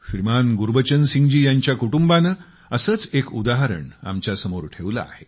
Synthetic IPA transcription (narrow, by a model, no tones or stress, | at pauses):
fɾimanɡuɾbət͡ɕənsiŋɡd͡ʑiːjaɲt͡ɕjakuʈumbanə | əsət͡sekud̪aɦəɾə̰ɳa̰mt͡ɕjasəmoɾʈʰeʋla̰a̰he